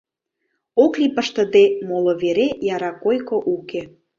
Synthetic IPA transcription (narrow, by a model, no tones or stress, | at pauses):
oklipəʃt̪ə̆d̪emoloβeɾejɑɾɑkojkoʔuke